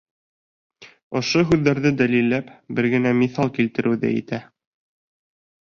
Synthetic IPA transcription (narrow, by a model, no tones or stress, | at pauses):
ŏʃoɦʉðːæɾðɘd̪ælilːæpbɘɾɡɘ̆næmiθɑlˠkilt̪ɘ̆ɾʔɘ̆wðɘ̰ḭt̪æ